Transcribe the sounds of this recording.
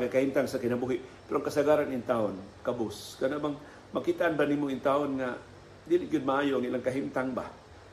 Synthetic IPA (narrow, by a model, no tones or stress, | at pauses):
ŋakahimt̪aŋsakɪnabuɦɪʔpɛɾoʔaŋkasaɡaɾanɪnt̪aonkabʊskanaʔbaŋ | makit̪aʔanbanimʊɪnt̪aonŋa | d̪ilɪʔɡʊd̪̚maʔaːjoʔaŋilaŋkaɦimt̪aŋba̰